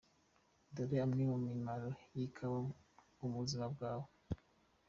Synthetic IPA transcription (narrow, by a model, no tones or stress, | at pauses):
doɾiamnimumimaɾojikʰawa | uβuzimab̚ɡaːwo